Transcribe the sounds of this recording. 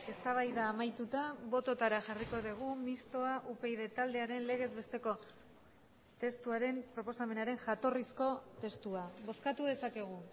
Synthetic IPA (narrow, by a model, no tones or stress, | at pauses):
e̞st̪aβ̞ajðaːmajt̪ut̪aβo̞t̪o̞t̪aɾaʝariko̞ðiɣ̞umist̪o̞aʔupejðe̞t̪ald̪e̞aɾe̞nle̞ɣ̞e̞zβe̞st̪e̞ko̞ | t̪e̞st̪uaɾe̞mpɾo̞po̞same̞naɾe̞ŋʝat̪o̞risko̞t̪e̞st̪uaβo̞skat̪uð̞e̞sake̞ɣ̞u